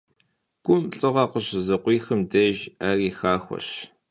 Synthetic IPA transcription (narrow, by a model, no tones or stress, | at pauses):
ɡ̥ʷʊmɬʼɨʁɐqəɕzɐqʷiːxɨmdɐʒaːriːxaːxʷɐ̰ɬ